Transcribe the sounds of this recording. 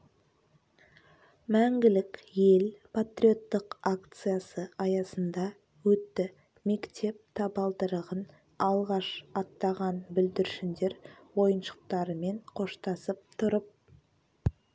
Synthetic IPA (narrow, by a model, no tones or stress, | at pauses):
mæŋɡʲɪlɪkje̞lpʰat̪ɾʲio̞t̪ːəqakt̪sɨjasəɑjɑsənd̪ɑ | wɵt̪ːɪ | me̞kt̪ʰe̞p̚t̪ʰɑbɑlˠd̪əɾəʁən | ɑlˠʁɑʃɑt̪ːɑʁɑnbʏld̪ɪɾʃɪnd̪e̞ɾwo̞jənʃə̥q̚t̪ɑɾəme̞ɴqʰo̞ʃt̪ɑsəp̚t̪ʰʊɾəp̚